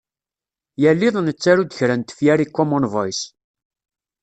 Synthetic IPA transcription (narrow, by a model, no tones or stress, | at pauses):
jælːɪðˤnət͡sːaɾud̪əçɾænt̪ə̥fjæɾikːomonvɑjs